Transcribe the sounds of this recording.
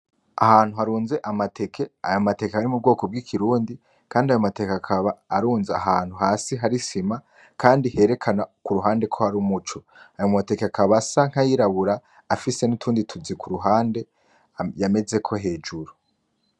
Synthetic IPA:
ahaːn̥huhaɾuːnze̞ʔamatʰe̞kʰe̞a̰jo̞mate̞kehaɾimub̚ɡo̞ːko̞b̚ɡikʰiɾuːndi | kaːndiajo̞mate̞kakʰaβaːɾuːnzeaɦaːn̥huɦaːsiɦaɾisima | kʰaːndihe̞ɾe̞kʰanakuɾuɦaːnde̞kʰo̞haɾumut͡ʃo̞ | ajommate̞keakʰaβasaŋ̥hajiɾaβuɾaː | fise̞nutʰuːnditʰuzikʰuɾuɦaːnde̞ | jame̞ze̞kʰo̞ɦe̞ːd͡ʒuɾu

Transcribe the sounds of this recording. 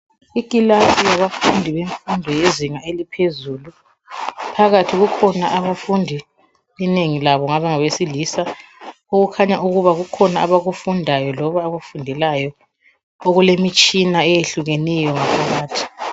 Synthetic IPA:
ikʼilasijaβafundʱiβeɱfundʱɔjeziŋaelipʰezulu | pʰaɣatʰiɣukʰɔnaʔaβafundʱi | lineŋilaβɔŋaβaŋaβesilisa | uɣukʰaɲauɣuβaɣukʰɔnaːβaɣufundʱajɔlɔβaːβafundʱɛlajɔ | oɣulemit͡ʃʼinaɛjeɬuɣenɛjɔŋapʰaɣaːtʰi̥

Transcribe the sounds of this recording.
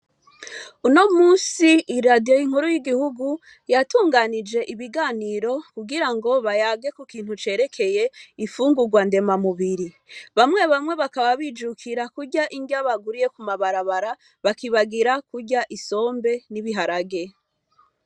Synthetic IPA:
uno̞muːnsiiɾadijo̞jiŋ̥huɾujiɡihuɡu | jatuːŋɡanid͡ʒe̞ʔiβiɡaːniːɾo̞kuɡiɾaŋɡo̞βajaːɡe̞kukiːn̥hut͡ʃe̞ːɾe̞kʰe̞je̞ifuːŋɡuɡwande̞mamuβiɾi | βamŋe̞βamŋe̞βakaβaβid͡ʒukʰiɾakuɾɟaʔiŋɡaβaɡuɾije̞kumaβaɾaβaɾa | βakiβaɡiɾakuɾɟaʔiso̞ːmbe̞niβiɦaɾaɡe̞

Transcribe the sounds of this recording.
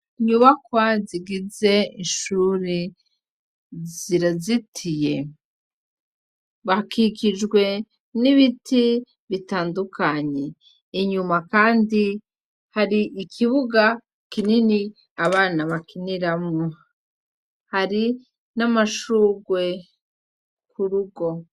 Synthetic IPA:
ɲuβakwaziɡize̞iʃuːɾi | ziɾazitʰije̞ | βahakikid͡ʒɡwe̞ | niβiti | βitaːndukaɲe̞ː | ɲumakaːndi | haɾiʔikʰiβuɡa | kinini | aβaːnaβakiniɾamŋo | haɾi | namaʃuːɡwe̞ | kuɾuɡo̞

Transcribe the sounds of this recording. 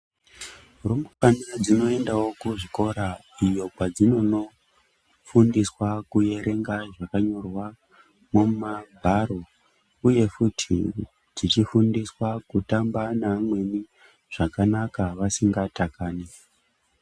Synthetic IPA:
rombokanad͡zino̞e̞ndawo̞kuʐiko̞ɾa | ijo̞kwad͡zino̞no̞ | fundiswakuje̞ɾe̞ŋɡaʐakaɲo̞rwa | mumabʱaro̞ | uje̞futʰḭ | d͡zit͡ʃifundiswakutambanamwe̞ni | ʐ̥akanakaʋasiŋɡatakaːne

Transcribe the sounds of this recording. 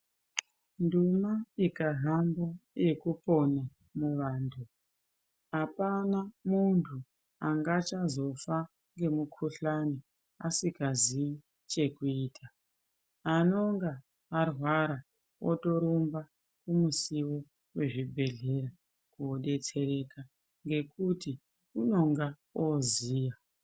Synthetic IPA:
ndumaikaɦamboje̞kupo̞na | muʋaːntʰu | ɦapanamuntʰu | aŋɡat͡ʃazo̞fa | ŋɡe̞mukʰuɬani | asikazii | t͡ʃe̞kuiːtʰa | ano̞ŋɡaː | rwaɾa | ʔo̰to̞ɾomba | kumusiwo̞ | we̞ʐibʱe̞ɮe̞ɾa | kuoɗe̞t͡se̞ɾe̞ka | ŋɡe̞kuti | uno̞ŋɡa | oziːja

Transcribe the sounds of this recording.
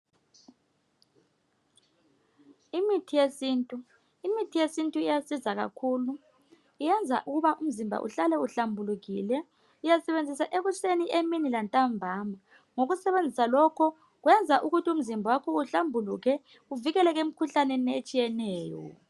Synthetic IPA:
imitʰijesiːntʼu | imitʰijesintʼuijasizaɣa̰kʰuːlu | ijɛnd͡zʱa̰ʔuɣuβaʔum̩zimbʱa̰ʔṵɬalɛuɬambʱuluɣḭlɛ | ujasɛβend͡zʱisaʔeɣusenieminilantʼambʱaːma | ŋoɣusɛβend͡zʱisalɔkʰɔ | ɣwɛnd͡zʱaʔuɣutʰium̩zimbʱawakʰɔuɬambʱuluɣɛ | uviɣɛlɛɣem̩kʰuɬaneniet͡ʃʼijɛnɛːjɔ̰

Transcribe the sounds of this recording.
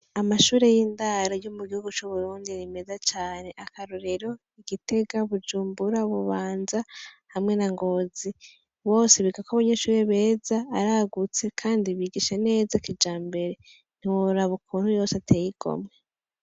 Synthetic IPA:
amaʃuːɾe̞jiːndaɾajo̞muɡihuɡut͡ʃuβuɾuːndiɾime̞zat͡ʃaːne̞ʔakaɾuɾeɾo̞ | iɡite̞ɡaβud͡ʒuːmbuɾaβuβaːnza | hamŋe̞naŋɡo̞ːzi | βo̞ːseβiɡakaβaɲe̞ʃuːɾe̞βe̞ːzaːɾaɡut͡se̞kʰaːndiβiːɡiʃene̞ːzakid͡ʒaːmbe̞ɾe̞ | n̥iwoɾaβokuːn̥hujo̞ːseatʰejiɡ̥o̞̰mŋe̞

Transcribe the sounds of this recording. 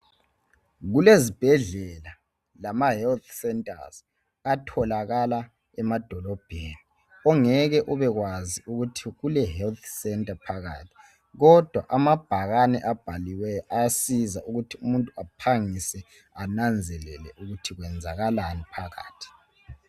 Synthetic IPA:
ɣulezib̥ʱɛɮɛla | lamahɛlt̪sɛntʼa̰z̥ | atʰɔlaɣala | ɛmad̥ʱɔlɔb̥ʱeni | ɔŋɛɣɛʔɔβɛɣwaziʔuɣutʰiɣulɛɦɛlt̪ʰsɛntʼapʰaɣa̰tʰi̥ | ɣɔd̥ʱwa̰ʔamab̥ʱaɣanɛʔab̥ʱaliwɛjʔajasizaʔuɣutʰiumuntʼuapʰaŋisɛ | anand͡zʱɛlɛ̰lɛ̰ʔuɣutʰiɣwɛnd͡zʱa̰ɣalanipʰaɣa̰ːtʰi̥

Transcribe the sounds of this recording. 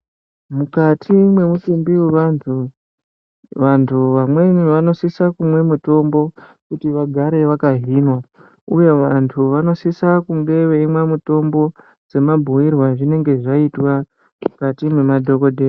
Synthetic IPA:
mukatʰimwe̞musumbiweʋantʰu | ʋantʰuʋamwe̞niʋano̞sisakumwe̞muto̞mbo̞ | kutiʋaɡʱaɾe̞ʋakaɦinwa | uje̞ʋantʰuʋano̞sisakuŋɡe̞ʋe̞imwemuto̞mbo̞ | d͡ze̞mabʱuirwaʐine̞ŋɡe̞ʐaitwa | mukatimwemadʱo̞ko̞dʱeː

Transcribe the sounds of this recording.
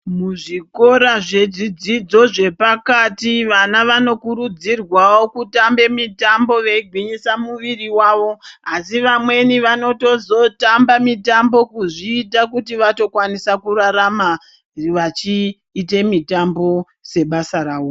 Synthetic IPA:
muʐiko̞ɾaʐe̞ʐid͡zid͡zo̞ʐe̞pakatiʋanaʋano̞kuɾud͡zirwawokutambe̞mitambo̞ʋeiɡʱwiɲisamuʋiriwaʋo̞asiʋamwe̞niʋano̞to̞zo̞tambamitambo̞kuʐiːtakutiʋato̞kwanisakuɾaɾama | ʋat͡ʃiː | te̞mitambo̞ | se̞ɓasaɾaːwo

